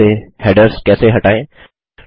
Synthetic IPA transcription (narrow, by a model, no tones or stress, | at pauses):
ehɛːɖəɾskɛːseɦɐʈaːẽː